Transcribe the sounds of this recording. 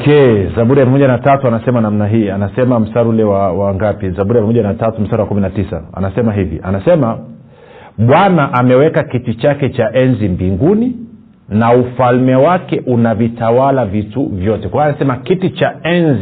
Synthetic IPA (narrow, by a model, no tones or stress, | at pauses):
kɛzaɓuɾiamamɔʄanatatuanasɛmanamnaɦiːanasɛmam̩staɾulɛwawaŋɡapizabuɾijammɔʄanatatum̩saɾuwakuminatisa̰a̰nasɛmaɦivḭʔa̰nasɛma | ɓwanaʔamɛwɛkakitit͡ʃakɛt͡ʃaʔɛnzimbiŋɡuni | naufalmɛwakɛʔunavitawalavituvjɔtɛkwaaanasɛmakitit͡ʃaɛnzi